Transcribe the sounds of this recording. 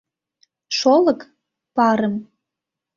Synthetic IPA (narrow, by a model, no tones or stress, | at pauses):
ʃolək | pɑɾəm